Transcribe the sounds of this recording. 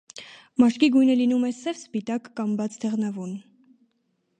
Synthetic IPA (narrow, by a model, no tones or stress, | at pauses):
mɑʃkiɡujnəlinumɛsɛvspit̪ɑkːɑmbɑt͡sʰd̪ʰɛʁnɑvun